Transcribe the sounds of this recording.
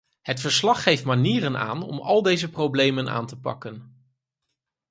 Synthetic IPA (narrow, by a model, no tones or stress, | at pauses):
ɦətfəɹslɑχːejftmaniːrəna̰ːnɔ̰mɑlˠdejzəprowblejməna̰ːntəpɑ̰kən